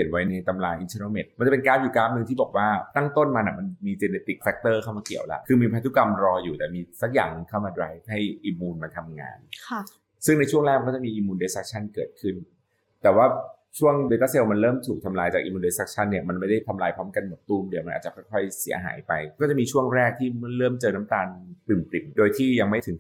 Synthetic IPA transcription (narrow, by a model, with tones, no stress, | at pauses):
ənwa˦˥jna˧jt̪a˧mlaː˧jʔi˧nt̪ʰe˧naː˧˩me˨˩t̪̚ma˧nt͡ɕa˨˩pe˧nkaː˦˥p̚juː˨˩kaː˦˥˩p̚nɯ˧ŋt̪ʰiː˥bɔː˨˩k̚waː˥˩t̪a˥˩ŋt̪o˥˩nmaː˧na˨˩ma˧nmiː˧t͡ɕe˧neː˧t̪i˨˩k̚fɛ˦˥k̚t̪ɤː˥˩kʰa˥˩wmaː˧ki˨˩˦wla̰˦˩kʰɯː˧miː˧pʰɾa˦˥t̪ʰːu˧˥˩ka˧mɾɔː˧juː˨˩t̪ɛː˨˩miː˧sa˨˩k̚ja̰ː˨˩ŋkʰaː˥˩wmaː˧dɾaː˧˦jf̚ha˥˩jʔiː˧muː˧nma˧nt̪ʰa˧mŋa̰ː˧nʰ | sɯ˥˩ŋna˧jt͡ɕʰu˥˩əŋlɛː˥˩kma˧ɔ˥˩t͡ɕa˨˩miː˧ʔiː˧muː˧nde˧˦˥sa˦˥k̚t͡ɕʰa˥˩nkɤː˨˩t̪̚kʰɯ˥˩n | t̪ɛː˨˩waː˥˩ | t͡ɕʰu˥˩əŋdeː˧t̪aː˥˩se˧wma˧nɾɤː˥˩mt̪ʰuː˨˩k̚t̪ʰa˧mlaː˧jt͡ɕa˨˩k̚ʔiː˧muː˧ndeː˧˥sa˦˥k̚t͡ɕʰa˥˩nːi˥˩ɐma˧nma˥˩jda˥˩jt̪ʰa˧mlaː˧jpʰɾɔː˦˥mka˧nmo˨˩t̪ːuː˧˩mdi˧˦wma˧nʔaː˨˩t͡ɕa˨˩kʰɔ˥˩jkʰɔ˥˩jsi˩˦ɐɦa̰ː˩˦jpa˧jkɔː˥˩t͡ɕa˨˩ʔmiː˧t͡ɕʰu˥˩əŋɾɛː˥˩k̚t̪ʰiː˥˩˥ɾɤː˥˩mt͡ɕɤː˧na˦˥mt̪aː˧npɯ˨˩mpli˨˩mdoː˧jt̪ʰiː˥˩ja˧ŋma˥˩jt̪ʰɯ˩˦ŋ